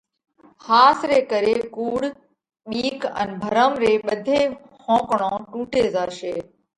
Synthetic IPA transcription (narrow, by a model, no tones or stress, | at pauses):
haːsɾeːkəɾeːkuːɽ | ɓiːkə̰nbʱəɾəmɾeːɓəd̪ʱeː | hʰõːkɳõːʈuːʈeːzaːʃeː